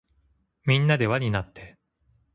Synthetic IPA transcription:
mʲĩnːad̪e̞βaɲ̟inat̪ːe̞

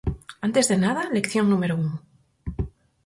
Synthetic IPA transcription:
ant̪e̞zðe̞nað̞alekθjo̞ŋnũmeɾoun

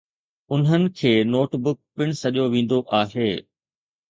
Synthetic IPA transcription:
ʊnɦənɪ̆kʰeːnoːʈbʊk̚pɪɽ̃sɐʄjoʋẽːn̆d̪oʔaːɦeː

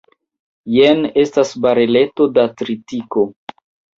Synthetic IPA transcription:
jene̞stasbaɾele̞to̞datɾitiko̞

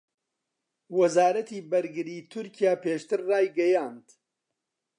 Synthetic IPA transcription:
wɐzaːɾɐt̪iːbɐɾɡɨɾiːt̪ʰʊɾcijaːpeːʃt̪ɨɾːaːjɡɐjaːnd̪

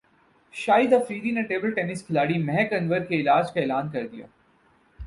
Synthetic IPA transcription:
ʃaːɪd̪ɐfɾiːd̪ineʈeːbəlʈeːnɪskʰɪlaːɽimɛɦɛkɐ̃nʋəɾkeɪlaːd͡ʒkaeːlaːnkɐɾd̪ija̰ː

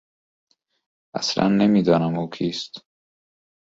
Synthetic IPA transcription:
æ̰slæ̰nːemiːd̪ɒːnæmuːkʰiːst̪

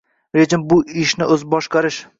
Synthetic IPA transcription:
ɾed͡ʒɪmbʊɪʃnɪʔɵzbɒʃqɑɾɪʃ

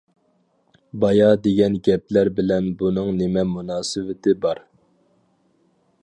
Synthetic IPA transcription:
bɑjɑd̪eɡʲɛnɡʲɛp̚læɾbɪlɛnbunɨŋnɪmɛmunɑːsɨvɪt̪ʰɪbɑɾ

